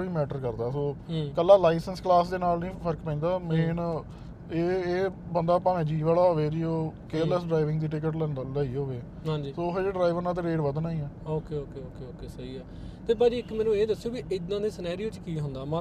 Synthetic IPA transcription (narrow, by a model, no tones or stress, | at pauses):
ʋiːmɛːʈəɾkəɾd̪aːsoːkəlːaːlaːisənsklaːsd̪eːnaːlnĩːpʰəɾəkpə̃ĩːnd̪aːmẽːn | eːeːbənd̪aːpaːʋẽːd͡ʒiːʋaːlaːɦoːʋeːd͡ʒiːoːkeːlɛːsɖɾaːiʋɪ̃ŋɡd̪iːʈɪkəʈləiːɦoːʋeː | ãːd͡ʒiːsoːɦeːeɖɾaːiʋəɾnãːt̪̬eːɾeːɖʋəd̪naːĩːɛːoːkeːoːkeːoːkeːoːkeːsəiːɛː | t̪eːbaːd͡ʒiɪkmɛ̃ːnũːeːd̪əsːeoːkiɪd̪ãːd̪eːsənaːɾijoːt͡ʃkiːɦʊnd̪aːmã